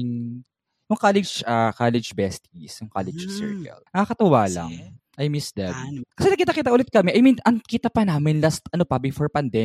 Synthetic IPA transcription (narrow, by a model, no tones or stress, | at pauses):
ŋ | jʊŋkalɛd͡ʒakalɛd͡ʒbɛst̪isjʊŋka̰lɛd͡ʒsɛ̰ɹkɐ̰lnɐŋɐkɐt̪ʊwaːlɐ̰ŋ | ʔɐjmisd̪ɛbḭkɐsɛnɐɡkiːt̪akiːt̪aʔʊlɛt̪̚kɐmɛʔɐjminʔɐŋkiːt̪ɐpɐnaːmɪnlast̪ɐnopɐbɪfoɹpɐnd̪ɛ